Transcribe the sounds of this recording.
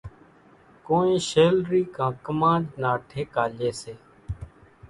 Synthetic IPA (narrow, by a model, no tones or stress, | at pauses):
koːẽːʃeːlɾiːkãːkəmãːɖnaːʈʰeːkaːleːseː